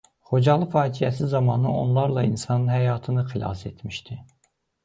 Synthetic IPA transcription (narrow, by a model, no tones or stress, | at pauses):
χod͡ʒɑlˠɯfɑːd͡ʒijæsizɑmɑːnɯonlˠɑɾlˠɑinsɑnɯnhæjɑːt̪ʰɯnɯχilˠɑ̰set̪ʰmiʃt̪ʰi